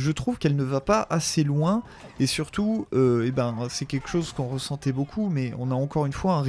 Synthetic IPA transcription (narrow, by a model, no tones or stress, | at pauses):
ʒət̪χuvkɛlnəvapaaselwɛ̃ | esyʁt̪uøebɛ̃sɛkʲɛlkə̥ʃozkɔ̃ʁəsɑ̃t̪ɛbokʰumɛɔ̰̃naɑ̃kɔʁynfwaɛ̃ʁ